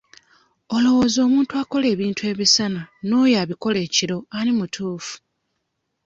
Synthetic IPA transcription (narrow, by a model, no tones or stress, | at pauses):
o̞lo̞wo̞ːzo̞ːmuːntuako̞le̞ːβiːntue̞ːβisanano̞jaːβiko̞le̞ːciɾo̞aɾimutʰuːfu̥